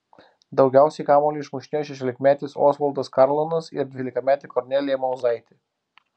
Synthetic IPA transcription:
d̪ɒʊɡʲɛˑʊsʲɛɪkɑːmoːlʲiɪʃmʊʃʲnʲejoʃʲɛʃ̬ʲoːlʲɪkmʲæːt̪ʲɪso̰ːsʋɐlˠd̪ɐskɑɾlˠonɐsɪɾd̪ʲʋʲiːlʲɪkɐmʲæːt̪ʲɪkɔɾʲnʲɛlʲɪjɛmɐʊzɐɪt̪ʲɪ

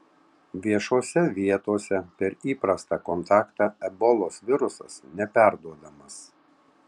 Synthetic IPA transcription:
ʋʲiɛʃoːsʲɛʋʲiɛt̪oːsʲɛpʲɛɾiːpɾɐst̪ɑkɔnt̪ɑːkt̪ɑɛbɔlˠoːsʋʲɪɾʊsɐ̰snʲɛpʲæˑɾd̪uɔd̪ɐmɐs

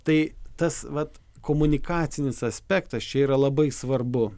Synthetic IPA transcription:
t̪ɐɪt̪ɐsʋɐt̪ | koːmʊnʲɪkɑːt̪sʲɪnʲɪsɐsʲpʲæːkt̪ɐst͡ʃʲɛiːɾɐlˠɐbɐɪsʋɐrbʊ

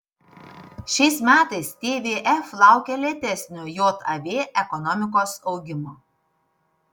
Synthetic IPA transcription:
ʃʲɛɪsmʲæːt̪ɐɪst̪ʲeːʋʲeːʔɛflˠɑˑʊkʲɛlʲɛt̪ʲɛsʲnʲʊjoːt̪ʰɐʋʲeːʔɛkɔnɔmʲɪkoːsɒʊɡʲɪmoː

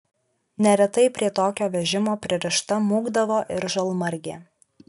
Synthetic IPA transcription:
nʲɛɾʲɛt̪ɐɪpʲɾʲiɛt̪oːkʲoːʋʲɛʒʲɪmoːpʲɾʲɪɾʲɪʃt̪ɐmuːɡd̪ɐʋoːʔɪɾʒɐlˠmɐɾʲɡʲeː

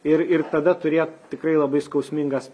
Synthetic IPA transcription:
ɪɾɪrt̪ɐd̪ɐt̪ʊɾʲeːt̪t̪ʲɪkɾɐɪlˠɐbɐɪskɐʊsʲmʲɪŋɡɐs

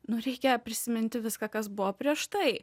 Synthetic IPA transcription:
nʊɾʲɛɪkʲejopʲɾʲɪsʲɪmʲɪnʲt̪ʲɪʋʲɪskɑkɐsbʊʋopʲɾʲiɛʃt̪ɐɪ

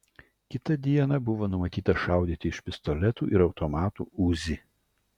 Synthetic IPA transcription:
kʲɪt̪ɐd̪ʲiɛnɐbʊʋoːnʊmɐt̪ʲiːt̪ɐʃɑˑʊd̪ʲiːt̪ʲɪɪʃpʲɪst̪ɔlʲɛt̪ṵːʔɪɾɒʊt̪ɔmɑːt̪ṵːuːzʲɪ

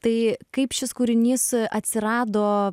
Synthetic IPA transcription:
t̪ɐɪkɐɪpʃʲɪskuːɾʲɪnʲiːsɐt̪ʲsʲɪɾɑːd̪oː

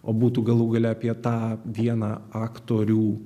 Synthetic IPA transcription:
oːbuːt̪uːɡɐlˠuːɡɐlʲɛɐpʲiɛt̪ɑːʋʲiɛnɑːɑːkt̪oːɾʲuː

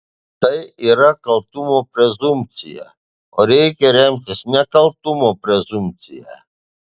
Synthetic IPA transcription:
t̪ɐjiɾakɐlt̪umopɾezump̚t͡sḭja̰ | ɔɾekeɾemkesnakɐlt̪umopɾezumt͡sḭja̰

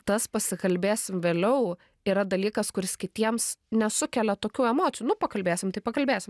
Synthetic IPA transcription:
t̪ɐspɐsʲɪkɐlʲbʲeːsʲɪmʋʲeːlʲɛʊ | iːɾɐd̪ɐlʲiːkɐskʊɾʲɪskʲɪt̪ʲiɛmsnʲɛsʊkʲɛlʲɛt̪oːkʲuːɛmoːt̪sʲɪjuːnʊpɐkɐlʲbʲeːsʲɪmt̪ɐɪpɐkɐlʲbʲeːsʲɪm

